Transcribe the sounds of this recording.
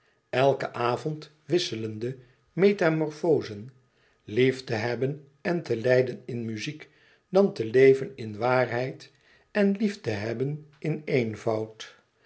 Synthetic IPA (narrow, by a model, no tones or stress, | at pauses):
ɛlˠkəʔaːvɔnt | ʋɪsələndə | mejtamɔɹfoːzən | liftəɦɛbən | ɛntəlɛjdənɪnmyzik | dɑntəlejvənɪnʋaːrɦɛjt | ɛnliftəɦɛbənɪneːjnvɑwt